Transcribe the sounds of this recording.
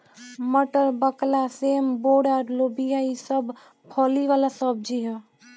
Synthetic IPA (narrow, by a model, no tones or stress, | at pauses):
məʈəɾbəklaseːmboːɖaːɾloːbijaisəb | pʰɔːliʋaːlasəb̚d͡ʒiɦɛ